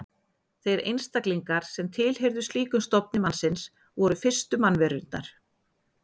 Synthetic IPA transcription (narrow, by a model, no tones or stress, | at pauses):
θejɾḛjnst̪akliŋkaɾ̥sɛmt̪ʰɪlheɾðʏst̪iːkʏmst̪ɔpnɪmansɪns | vɔɾʏfɪr̥st̪ʏmanːvɛɾʏnt̪na̰ɾ̥